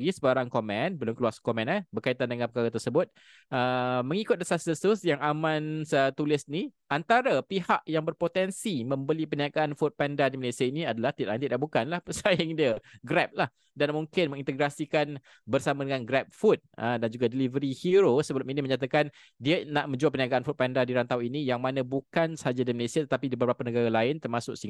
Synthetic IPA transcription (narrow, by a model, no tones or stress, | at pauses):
ɡisəbaɾaŋkomɛ̃nbəlʊmkəluaskomɛ̃nabərkait̪andəŋanpəkaɾat̪ərsəbʊt̪̚ | əməŋikʊt̪̚əsasəsʊsjaŋamãnsət̪ulɪsniʔant̪aɾapiɦaʔjaŋbərpot̪ɛnsimə̃mbəlipəniakaʔːnfut̪̚pɛndadiməlesiəiniadalaht̪it̪ʔant̪it̪̚daʔbukanlahpəsajɪŋdiəɡɾɛp̚lah | danmuŋkɪnməŋint̪əɡɾasikan | bərsamadəŋanɡɾɛp̚fut̪̚ədand͡ʒuɡadəlivəɾihiɾosəbəlʊminiməɲat̪akan | diənaʔmə̃ɲd͡ʒuapəniaɡaʔanfut̪̚pɛndadiɾant̪awinijaŋmanãbukansəhad͡ʒadiməlesiat̪ət̪apidibəbɾapanəɡaɾalaɪnt̪ərmasʊksiŋ